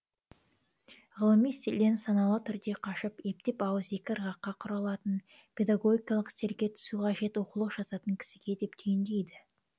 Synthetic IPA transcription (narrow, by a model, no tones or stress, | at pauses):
ʁəlˠəmijst̪elːesɑnɑlˠət̪ʰʏɾd̪e̞qʰɑʃəpje̞p̚t̪e̞pɑwəze̞kʲɪɾʁɑqːɑqʰʊɾɑlˠɑt̪ən | pʲʰe̞d̪aɡo̞ɡʲikɑlˠəqst̪e̞ɾɡʲe̞t̪ʰʏ̥suqɑʒe̞t̪wo̞qulˠəqʒ̥ɑsɑt̪əŋkʲʰɪ̥sɪɡʲe̞d̪e̞p̚t̪ʰejɪnd̪e̞jd̪ɪ